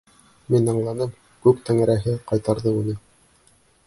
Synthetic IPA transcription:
minɑɴlˠɑnɤm | kʉpt̪æŋæɾæɦɘqɑjt̪ɑɾðɤʉnɘ

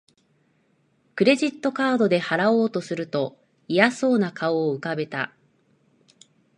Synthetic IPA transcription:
kɯ̟ɾe̞ʑit̪ːo̞kaːd̪o̞d̪e̞haɾao̞ːt̪o̞sɨɾɯ̟t̪o̞ | ijaso̞ːnakʰaoːɯ̟kabe̞t̪a̰

